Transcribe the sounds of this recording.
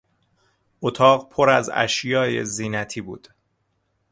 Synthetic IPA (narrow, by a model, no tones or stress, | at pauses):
ʔot̪ʰɒːɣpʰo̞ɾæ̰zæ̰ʃjɒːje̞̰ziːnæt̪ʰiːbuːd̪̥